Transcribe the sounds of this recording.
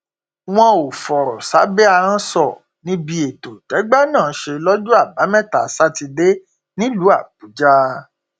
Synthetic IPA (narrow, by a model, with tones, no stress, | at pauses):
w̃ɔ̃˧o˨fɔ˨ɾɔ˨sa˨˦bɛ˦ã˧ã˦sɔ˦˨ | nĩ˦bi˧˦e˨to˨tɛ˨˦ɡ͡ba˦nãː˦˨˦ʃe˧lɔ˦d͡ʒu˦a˦˨ba˨˦mɛ̃˦˨ta˨˦sa˦ti˧de˦ | nĩ˦lu˨˦a˦˨k͡pu˨˦d͡ʒa˦